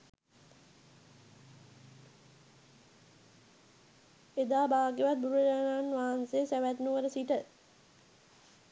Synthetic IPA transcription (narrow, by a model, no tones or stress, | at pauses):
ed̪aːbaːɡeʋat̪̚buɾuəd͡ʒananʋaːnseːsæʋæt̪nuʋəɾəsiʈə